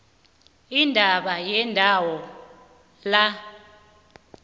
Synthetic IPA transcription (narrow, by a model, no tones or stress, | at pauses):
indʱaɓajɛndʱawɔ | la